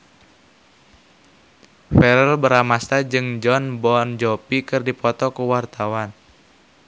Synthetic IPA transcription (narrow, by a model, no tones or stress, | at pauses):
fɛɾəlbəɾamast̪ad͡ʒɨŋd͡ʒɔnbɔnd͡ʒɔpikɨrdipɔt̪ɔkuwart̪awan